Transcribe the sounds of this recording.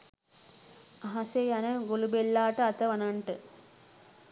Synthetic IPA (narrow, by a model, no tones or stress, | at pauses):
aɦasejanəɡolubelːaːʈəɐt̪əʋɐnaɳʈə